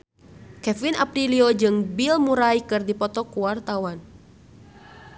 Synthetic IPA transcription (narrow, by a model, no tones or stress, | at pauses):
kɛfinʔa̰pɾiliod͡ʒɨŋbilmuɾajkɨrdipɔt̪ɔkuwart̪awan